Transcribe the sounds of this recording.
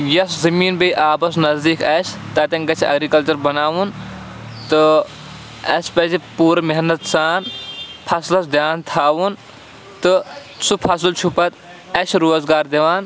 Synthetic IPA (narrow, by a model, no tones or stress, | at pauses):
jɐszɐmiːnbɐjʔaːbɐsnɐzd̪iːkɐsʰt̪ɐt̪ɐnɡɐt͡ʃʰɐ̰ɡɾikɐlt͡ʃɐɾbɐnaːʋun | t̪ɨ | ɐspɐsipuːɾmɐɦnɐt̪saːnpʰɐslɐs̬d̪jaːnt̪ʰaːʋun | t̪ɨ | supʰɐs̬ɨlt͡ʃʰupɐt̪ | ɐt͡ʃʰɾoːzɡaːɾd̪eʋaːn